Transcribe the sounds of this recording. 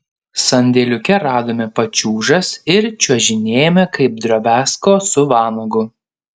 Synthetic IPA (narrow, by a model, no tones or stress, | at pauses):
sɐnʲd̪ʲeːlʲʊkʲɛɾɑːd̪oːmʲɛpɐt͡ʃʲuːʒɐsɪɾt͡ʃʲuɔʒʲɪnʲeːjɛmʲɛkɐɪp̚d̪ɾoːbʲæːskoːsʊʋɑːnɐɡʊ